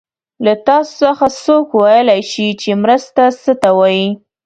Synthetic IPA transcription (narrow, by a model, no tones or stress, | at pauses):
lat̪ɑso̥səxasokwajəlajʃit͡ʃemɾəst̪asət̪awɑji